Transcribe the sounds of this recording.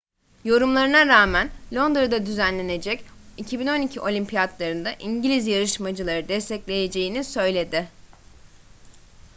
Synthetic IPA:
jo̞ɾumlˠaɾɯnaɾaːmænlʲo̞nd̪ɾd̪ad̪yzænlʲe̞ne̞d͡ʒɛcicʰibino̞nicʰiʔo̞lʲimpʰijat̪lˠaɾɯnd̪aʔiɲɟilʲizjaɾɯʃmad͡ʒɯlˠaɾɯd̪ɛst̪ʰɛclʲe̞je̞d͡ʒe̞jinisø̞jlʲe̞d̪ɪ

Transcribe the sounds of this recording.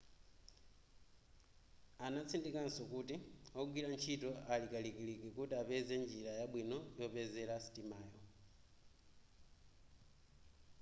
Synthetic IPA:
anat͡sʰindikansɔkutiɔɡwilant͡ʃʰitɔalikalikilikɛkutiapɛzɛnd͡ʒilajaɓwinɔjɔpɛzɛlasi̥timaːjɔ

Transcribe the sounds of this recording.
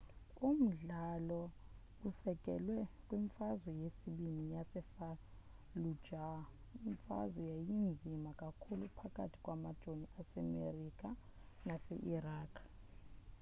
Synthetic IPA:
um̩ɮalɔ | usɛkʼɛ̰lwɛkʼwiɱfazwɛjesiɓimijasɛfa | lu̥d͡ʒʱa | iɱfa̰zwɛjajind͡zʱimakʼakʰulupʰakʼa̰tʰi̥kʼwamad̥ʒ̥ʱoniʔasɛ̰mḛrikʼa | nasɛ̰ʔiraːkʰ

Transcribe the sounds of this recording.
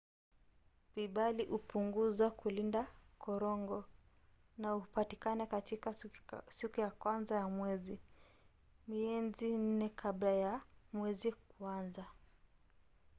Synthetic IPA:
viɓaliʔupuŋɡuzakulindakɔɾɔŋɡɔ | naupatikanɛkatikasikujakwanzajamwɛzi | miɛnzin̩nɛkʰablajamwɛzikwanza

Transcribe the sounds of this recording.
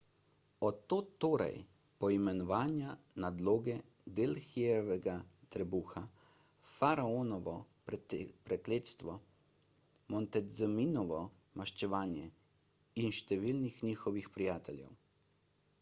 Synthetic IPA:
ɔt̪ːoːt̪oːɾɛ̰j | pɔimɛnɔʋaːnjanad̪loːɡɛ | d̪elxiɛʋɛɡat̪ɾɛbuːxa | faɾaonɔʋɔ | ppɾɛkleːt̪st̪ʋɔ | mɔnt̪ɛzɛminɔʋɔ | maʃt͡ʃɛʋaːnjɛ | inʃt̪ɛʋiːlnixniːxɔʋixpɾijaːt̪ɛlʲjɛ̰w

